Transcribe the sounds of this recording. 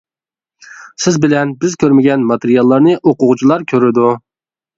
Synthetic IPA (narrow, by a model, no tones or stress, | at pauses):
sɪzbɪlɛnbɪzkʲøɾmɪɡʲɛnmɑt̪eɾijɑlˠːɑɾnɨʔoqʊʁt͡ʃʰilˠɑɾkʲʰøɾɪd̪u